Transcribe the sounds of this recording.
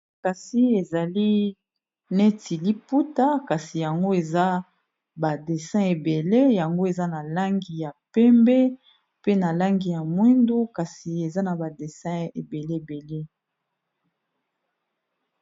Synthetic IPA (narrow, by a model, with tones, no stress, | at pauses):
ka˨si˦e˨za˨li˦ | ne˦ti˨li˦pu˦ta˦ka˨si˨ja˨ŋɡo˦e˨za˦ | ba˨de˨sɛ̃˦e˨be˨le˦ja˨ŋɡo˦e˨za˦na˨la˦ŋɡi˨ja˨pɛ˦mbɛ˦ | pe˦na˨la˦ŋɡi˨ja˨mwi˦ndo˦ka˨si˨e˨za˦na˨ba˨de˨sɛ̃˦e˨be˨le˦e˨be˨le˦